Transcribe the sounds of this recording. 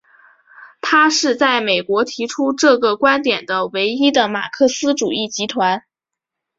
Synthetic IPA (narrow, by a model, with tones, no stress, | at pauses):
t̪ʰa˥ʂɻ̩˥˧t͡sa˥˩ɪme˨˩ɪkwɔ˧˥t̪ʰi˧˥ʈ͡ʂʰu˥ʈ͡ʂɤ˥˩ɡə˩kwa˥nt̪jɛ˨˩nd̪ə˦we˧˥ɪi˥d̪ə˨ma̰˨˩kʰɤ˥˩sɹ̩˥ʈ͡ʂu˨˩i˥˩t͡ɕi˧˥t̪ʰwa˧˥n